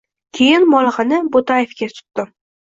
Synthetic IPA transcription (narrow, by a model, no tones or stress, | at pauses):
kʲʰe̞jɪnmɒlˠʁɨnɪbot̪ajefkʲat̪ʰʊ̥t̪d̪ɪm